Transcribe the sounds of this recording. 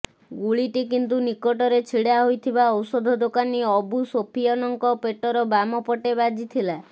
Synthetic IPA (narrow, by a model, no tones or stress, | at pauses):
ɡuɭiʈikint̪̬unikɔʈɔɾet͡ʃʰiɽaɦojt̪ʰibaɔwsɔd̪ʱɔd̪okaniɔbusopʰijɔnɔŋkɔpeʈɔɾɔbamɔpɔʈebad͡ʒit̪ʰila